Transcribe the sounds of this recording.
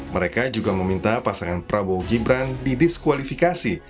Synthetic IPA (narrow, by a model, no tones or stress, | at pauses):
məɾekad͡ʒuɡaməmint̪apasaŋanpɾaboɡibɾandidɪskwalifikasi